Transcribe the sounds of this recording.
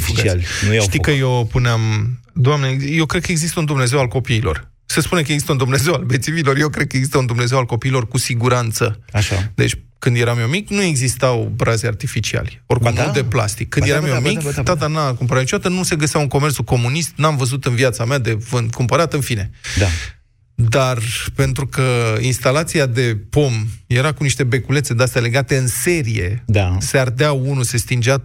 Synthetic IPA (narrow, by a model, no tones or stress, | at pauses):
fialnuʃt̪ikəjopuneam | d̪oamnejewkɾed̪̚kəeɡzist̪əund̪umne̞ze̞walko̞piːlo̞̰r | sespune̞kəeɡzist̪əund̪umne̞ze̞walbet̪sivilo̞rjewkɾe̞d̪̚kəeɡzist̪əund̪umne̞zewalko̞piːlo̞rkusiɡuɾant̪səaʃa̰d̪ḛt͡ʃʲkɨnd̪je̞ɾamjomikʲnue̞ɡzist̪awbɾazeart̪ifit͡ʃia̰lʲo̞rkkmmold̪epla̰st̪ikːɨnd̪jeɾamjomikt̪at̪anakumpəɾawnit͡ʃod̪at̪ənuse̞ɡəseawɨŋko̞mertsuko̞munist̪namvəzut̪ɨnviat̪samead̪e̞vɨnd̪kumpəɾat̪ɨnfine̞a | d̪arpe̞nt̪ɾukəinst̪alat̪siad̪e̞po̞mje̞ɾakuniʃt̪e̞be̞kule̞t̪se̞d̪east̪ale̞ɡat̪e̞ɨnse̞ɾije̞̰d̪aseard̪eaunuse̞st̪ind͡ʒea